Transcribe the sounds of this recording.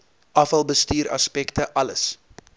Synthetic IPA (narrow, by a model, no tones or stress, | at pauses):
ʔɐfɐlˠbəstyːɾɐ̰spɛktəʔɐləs